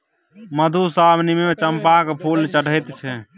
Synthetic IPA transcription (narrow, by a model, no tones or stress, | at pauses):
məd̪ʱusabʱnimemet͡ʃəmpakepʰult͡ʃəɽ̤əjt̪t͡ʃʰɛ